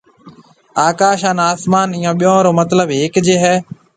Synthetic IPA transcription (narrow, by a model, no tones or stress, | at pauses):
aːkaːʃaːnaːsmaːnɪːjãːɓɪjõːɾoːmət̪ləbeːkd͡ʒeːɦɛː